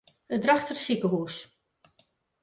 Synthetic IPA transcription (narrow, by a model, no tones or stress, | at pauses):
ədraxtərsikəɦuːs